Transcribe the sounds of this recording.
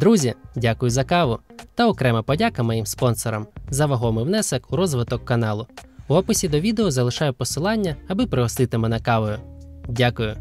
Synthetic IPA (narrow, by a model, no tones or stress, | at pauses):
d̪ɾuzʲidʲakʊjʊzɐkɑʋʊt̪ɐɔkɾɛmɐpɔdʲakɐmɔjimspɔnsɔɾɐ̰mzɐʋɐɦɔmɪwnɛsɛkuɾɔzʋɪt̪ɔkːɐnɑlˠʊuɔpɪsʲid̪ɔʋʲid̪eɔzɐlˠɪʃɑjʊpɔsɪlˠɑnʲːɐɐbɪpɾɪɦɔst̪ɪt̪ɪmɛnɐkɑʋɔjʊdʲakʊjʊ